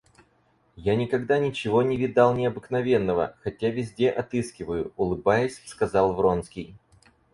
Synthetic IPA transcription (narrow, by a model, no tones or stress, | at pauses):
janʲɪkɐɡd̪anʲɪt͡ɕɪvo̞nʲɪvʲɪd̪ɑlˠnʲɪɐbɨknɐvʲe̞nːəvə̰xɐtʲavʲɪzʲdʲe̞ʔɐt̪ɨskʲɪvəjʊʊlˠɨbajɪsʲskɐzɑlˠvro̞nskʲɪj